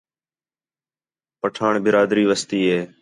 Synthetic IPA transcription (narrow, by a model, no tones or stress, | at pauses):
pəʈʰaːɳbɪɾaːd̪ɾiːʋəst̪iːɦeː